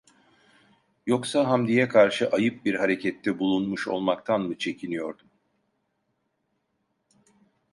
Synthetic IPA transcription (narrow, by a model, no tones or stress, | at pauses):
jo̞ksaɦamd̪ijɛkʰaɾʃɯʔajɯp̚biɾɦaɾe̞cʰɛt̪ʰːɛbulˠunmuʃo̞̰lˠmakt̪ʰanmɯt͡ʃʰe̞cʰinijo̞ɾd̪um